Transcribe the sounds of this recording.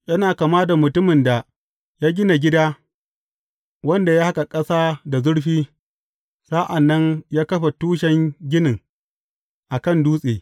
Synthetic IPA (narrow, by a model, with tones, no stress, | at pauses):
jɐ˦naː˨kaː˨maː˦da˨mʊ˨tʊ˦mɪ˨nda˨ | jaː˦ɡʲɪ˦na˨ɡʲɪ˦daː˦ | wɐ˦nda˨jaː˦ha˦ka˨kʼɐ˦saː˦da˨zʊ˦ɽɸiː˦ | sa˦ʔa˨nːɐ˦ɲjaː˦kɐ˦ɸa˨tuː˦ʃɛ˦ŋɡʲɪ˦nɪ˨ŋ | ʔa˨kɐ˦˨nduː˦sʼeː˨